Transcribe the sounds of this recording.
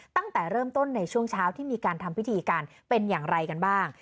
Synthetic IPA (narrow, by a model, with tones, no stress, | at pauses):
t̪a˥˩ŋt̪ɛː˨˩ɾɤː˥˩mt̪o˥˩nːa˧jt͡ɕʰu˥˩əŋt͡ɕʰaː˦˥wt̪ʰiː˥˩miː˧kaː˧nt̪ʰa˧mwʰi˦˥t̪ʰiː˧kaː˧n | pe˧njaː˨˩ŋɾa˧jka˧nbaː˥˩ŋ